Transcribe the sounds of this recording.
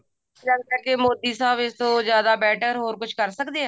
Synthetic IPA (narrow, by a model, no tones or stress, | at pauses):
ləɡkəɾkeːmoːd̪iːsaːbɪst̪õːzjaːd̪aːbɛːʈəɾɦoːɾkʊt͡ʃʰkəɾsəkd̪eːɛː